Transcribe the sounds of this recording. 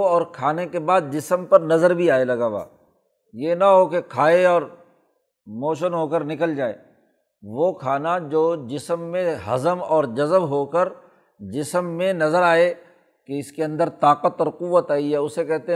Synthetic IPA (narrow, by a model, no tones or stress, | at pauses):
ɔːɾkʰaːnekebaːd̪̚d͡ʒɪsəmpɐɾnɐzəɾbʱiaːelɐɡaːba̰ː | jenɐɦokekʰaːeɔːɾ | moːʃ̬ənɦoːkəɾnɪkəld͡ʒaːḛː | ʋokʰaːnad͡ʒoːd͡ʒɪsəmːẽɦɐ̰zəmɔːɾd͡ʒɐzəbɦoːkəɾ | d͡ʒɪsəmːẽnɐzəɾaːe | keɪskeɐ̃nd̪əɾt̪aːqət̪ɔːɾquʋət̪aːiɦɛːʊsekɛɦt̪e